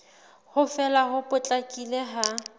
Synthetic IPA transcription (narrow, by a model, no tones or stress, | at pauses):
hʊfɛlaɦʊpʼʊt͡ɬʼakʼileɦa